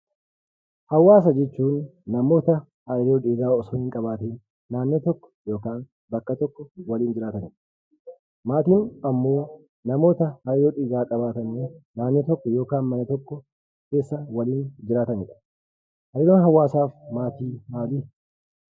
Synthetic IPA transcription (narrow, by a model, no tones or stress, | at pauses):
hɐwːaːs̬ɐd͡ʒɛt͡ʃːuːnːɐmo̞ːt̪ɐ | haːjɪɾoːᶑiːɡaːɔsoːɪŋkʼɐbaːt̪eːnː | aːnːet̪ɔkːɔ̥jo̞ːkaːn | bɐkːɐt̪ɔkːɔwɐliːnd͡ʒɪɾaːt̪ɐnɪᶑɐ̥ | maːt̪iːnɐmːo̞ː | nɐmo̞ːt̪ɐhaːjjoːᶑiːɡaːkʼɐbaːt̪ɐnːenaːnːet̪ɔkːɔjo̞ːkaːnmɐnɐt̪ɔkːɔ | ke̞ːsːɐwɐliːnd͡ʒɪɾaːt̪ɐnɪᶑɐ̥ | hɐɾjoːnɦɐwːaːsaːfmaːt̪iːmaːliː